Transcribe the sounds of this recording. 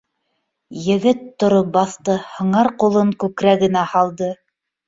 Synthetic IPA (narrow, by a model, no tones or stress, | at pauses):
jɘ̆ɡɘt̪ːŏɾop̚bɑθt̪ɤhɤ̆ɴɑɾqulˠɤŋkʉkɾæɡɘ̆næhɑlˠd̪ɤ